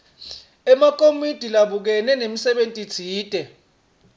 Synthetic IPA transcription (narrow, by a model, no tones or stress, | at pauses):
ɛmak̬ʰʼomid̥ʱilaɓuk̬ɛnɛnemisɛɓentʼit͡sʰiːtʼɛ